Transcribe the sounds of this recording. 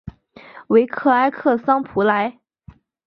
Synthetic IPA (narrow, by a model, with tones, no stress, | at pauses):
we˧˥ɪkʰɤ˥˩a˥ɪkʰɤ˥˩sɑ˥ŋpʰu˧˥la˧˥ɪ